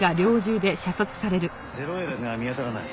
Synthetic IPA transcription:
ɡaɾʲo̞ːʑɨːd̪e̞ɕasot͡sɨ̥saɾe̞ɾɯ̟ | zeɾoid̪eamʲiat̪aɾana̰i

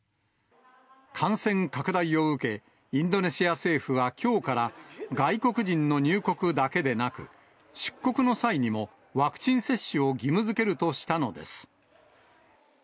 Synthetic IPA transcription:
kʰãɰ̃sẽ̞ŋkakɯ̟d̪aio̞ɯ̟ke̞ | ĩnd̪o̞ne̞ɕiase̞ːɸɯβakʲo̞ːkaɾaɡaiko̞kɯ̟ʑĩnːo̞ɲ̟ɨːko̞kɯ̟d̪ake̞d̪e̞nakɯ̟̰ | ɕi̥kːo̞kɯ̟no̞saiɲ̟imo̞ | βakɯ̟̥t͡ɕĩɰ̃se̞ɕːɨo̞ɡʲimɯzɨke̞ɾɯ̟t̪o̞ɕi̥t̪ano̞d̪e̞̰sɨ̥

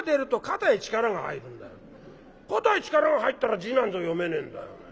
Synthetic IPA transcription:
d̪eɾɯ̟t̪o̞kat̪ait͡ɕi̥kaɾaɡaha̰iɾɯ̟̃nd̪ajo | kot̪ait͡ɕi̥kaɾaŋaɦait̪ːaɾad͡ʑinãnd͡zɨojome̞nẽ̞nd̪a̰jo̰n

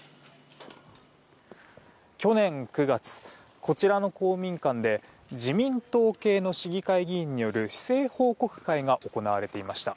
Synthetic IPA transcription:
kʲo̞nẽ̞ŋkɯ̟ɡat͡sɨ̥ | kʰo̞t͡ɕiɾano̞ko̞ːmʲĩŋkãnd̪e̞ | d͡ʑimʲĩnt̪o̞ːke̞ːno̞ɕiɡʲikaiɡʲĩːɲ̟ːijo̞ɾɯ̟çi̥se̞ːho̞ːko̞kɯ̟̥kaiɡaʔo̞ko̞naβaɾe̞t̪e̞imaɕi̥t̪a̰

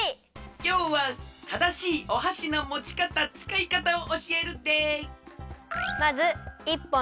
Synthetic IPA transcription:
kʲo̞ːβat̪ad̪aɕiːʔo̞ɦaɕino̞mo̞t͡ɕi̥kat̪at͡sɨ̥kaikat̪aoʔoɕie̞ɾɯd̪e | mazɨipːõ

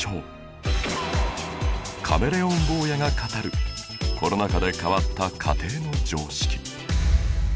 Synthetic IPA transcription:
t͡ɕoː | kʰa̰me̞ɾe̞õmbo̞ːjaŋakat̪aɾɯ̟ | ko̞ɾo̞nakad̪e̞kaβat̪ːakʰa̰t̪e̞ːno̞d͡ʑo̞ːɕi̥kʲi̥

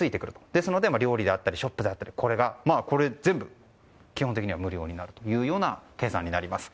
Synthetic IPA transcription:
t͡sɨit̪e̞kɯ̟ɾɯ̟t̪o̞̥d̪̥e̞sɨno̞d̪e̞maɾʲo̞ːɾʲid̪e̞at̪ːaɾʲiɕo̞pːɯ̟d̪e̞at̪ːaɾʲi̥kʰo̞ɾe̞ɡamaːko̞ɾe̞zẽ̞mbɯ̟ | kʲihont̪ekiɲiβamɯ̟ɾʲo̞̰ːɲinaɾɯ̟t̪o̞jɯ̟ːjo̞ːnake̞ːsã̰ɲ̟ːinaɾʲimasɨ̥

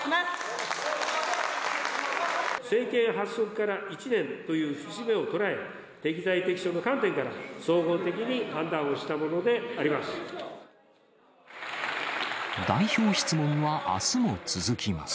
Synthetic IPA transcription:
se̞ːkẽ̞ɰ̃ɦasːo̞kɯ̟̥kaɾait͡ɕinẽ̞nt̪o̞jɯ̟ːɕɨʑime̞o̞t̪o̞ɾae̞ | t̪e̞kʲizait̪e̞kʲi̥ɕo̞ːno̞kãnt̪̬ẽ̞ŋkaɾaso̞ːɡo̞ːt̪e̞k̬ʲiɲ̟ihãnd̪ãɰ̃o̞ɕi̥t̪amo̞no̞d̪e̞aɾʲimasɨ̥ | d̪aiço̞ːçi̥t͡sɨmõ̞ŋβaʔa̰sɨmo̞t͡sɨzɨkʲima̰sɨ̥

